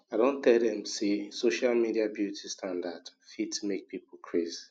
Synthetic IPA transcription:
adõn̩tɛldɛ̃msesoʃalmidiabjutʰistãndadfitmek̚pipol̩kʰɹezi

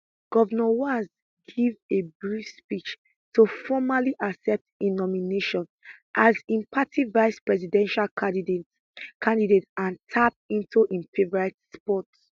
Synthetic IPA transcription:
ɡ̥ɔvɛnɔwaz | ɡivebɹifspit͡ʃ | tʰufɔmaliʔasɛp̚tinɔmineʃɔ̃n | ʔazĩmpʰatʰivaɪspɹɛzidɛ̃nʃal | kʰãndidetãntʰap̚ĩntuʔĩnfevɔɹɛtspɔts

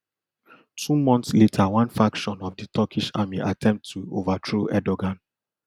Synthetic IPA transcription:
tʰumɔ̃ntsletʰawãnfɹakʃɔ̃nɔvditʰɔkʰiʃa̰miʔatʰɛ̃mp̚tʰːuovadɹoʔɛdɔɡãn

